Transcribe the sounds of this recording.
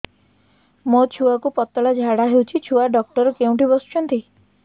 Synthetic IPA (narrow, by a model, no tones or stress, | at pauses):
mot͡ʃʰuakupɔt̪ɔlad͡ʒʱaɽaɦewt͡ʃʰit͡ʃʰuaɖɔk̚ʈɔɾɔkeũɳʈibɔst͡ʃɔnt̪i